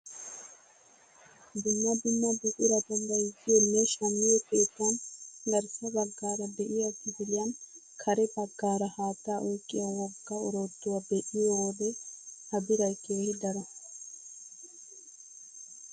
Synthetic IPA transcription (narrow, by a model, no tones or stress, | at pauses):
d̪ʊmːɐd̪ʊmːɐbʊʔʼɪɾɐt̪ɐndɐjɡɪjɛnːeʃɐmːɪɛpeːt̪ːanɡɐɾsɐbɐɡːaːɾɐbɛʔɪjɐtːɪfɪlɪjan | kʰɐɾɛbɐɡːaːɾɐhaːt̪ːaːʔɔjkʼːɪjɐwɔɡːaɔɾoːd̪ːʊwɐbeʔɪjowɔd̪ɛhɐbɪɾɐjkeɛɪd̪ɐɾɐ